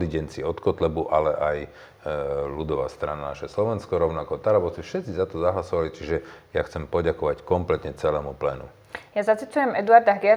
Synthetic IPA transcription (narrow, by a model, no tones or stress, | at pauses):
d̪iɟɛnt͡siɔt̪kɔt̪lɛbuʔalɛʔaj | lud̪ɔʋa̰ːst̪ɾananaʃɛslɔʋɛnskɔɾɔʊnakɔt̪aɾabɔt͡sifʃɛt̪t͡sizat̪ɔzaɦlasɔʋalit͡ʃiʒɛjaxt͡sɛmpɔɟakɔʋackɔmplɛt̪ɲɛt͡sɛlɛːmuplɛ̰nṵ | jazat͡sit͡sujɛmɛd̪uaɾd̪aɦɡɛ